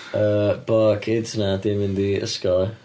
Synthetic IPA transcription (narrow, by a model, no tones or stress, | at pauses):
əːb̥ɔkʰɪntʰənɛtdemɪndiə̰skɔ